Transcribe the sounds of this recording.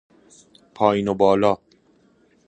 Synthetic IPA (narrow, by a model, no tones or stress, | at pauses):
pʰɒːjnobɒːlɒː